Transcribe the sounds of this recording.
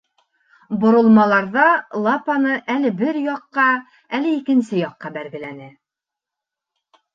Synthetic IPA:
bŏɾŏlˠmɑlˠɑɾðɑlˠɑpɑnɤʔælɘbɘɾjɑqːɑ | ælɘikɘ̆nsɘjɑqːɑbælɡɘ̆lænɘ

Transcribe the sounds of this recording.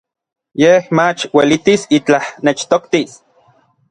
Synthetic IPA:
jehmat͡ʃwelit̪isit͡ɬahnet͡ʃt̪okt̪is

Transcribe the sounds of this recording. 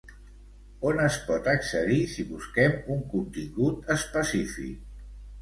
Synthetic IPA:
onəspɔt̪əksəðisiβuskɛmuŋkunt̪iŋɡut̪əspəsifḭk̚

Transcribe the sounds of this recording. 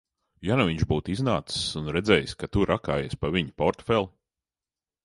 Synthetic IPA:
januviɲʒbuːt̪iznaːt̪sssunɾɛd̪zɛːjskat̪uɾʔakaːjespaviɲipɔɾt̪fɛlˠ

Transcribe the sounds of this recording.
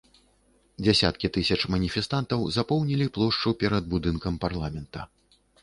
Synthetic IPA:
d͡zʲɛsʲa̰t̪kʲit̪ɨsʲɐt͡ʂmɐnʲifʲɛst̪ant̪ɐwzapɔwnʲilʲiplˠɔʂt͡ʂupʲɛɾɐd̪̚bud̪ɨnkɐmparlˠamʲɛnt̪ɐ

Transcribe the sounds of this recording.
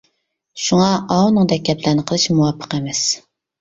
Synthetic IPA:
ʃuŋɑʔɑwnɨŋd̪ɛk̚ʲːɛplɪɾnɨqʰəlˠɨʃmuwɑpʰːə̥qɛmɛs

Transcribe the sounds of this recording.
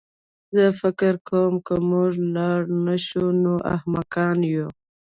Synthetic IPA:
zəfɪkɪɾkʰawəmkəmuʐlɑɽnaʃunoʔa̰hmakɑnju

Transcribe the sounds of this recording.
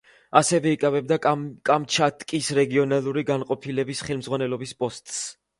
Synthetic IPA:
asɛvɛikʼavɛb̚d̪akʼamt͡ʃʰat̪ʼkʼisɾɛɡiɔnalˠuɾiɡanqʼɔpʰilɛbisχɛlˠmzʁwanɛlˠɔbispʼɔst̪ʼs

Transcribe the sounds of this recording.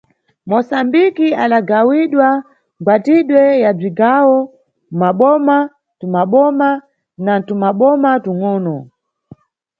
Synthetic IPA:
mɔsambikiaɗaɡawiɗwa | ŋɡwatiɗwɛjab͡ʐiɡawɔ | maɓɔma | tumaɓɔma | natumaɓɔmatuŋɔːnɔ

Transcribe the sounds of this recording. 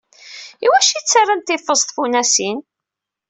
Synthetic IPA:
iwæʃit͡sːarːant̪ːɪfːəzt̪funæsin

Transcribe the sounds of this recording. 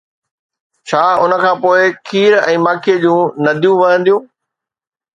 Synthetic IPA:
t͡ɕʰaːʊnə̆kʰãːpoːɪkʰiːɾɛ̰̃ːmaːkʰied͡ʑũːnɐd̪ʱijũʋɐɦə̃nd̪ijũː

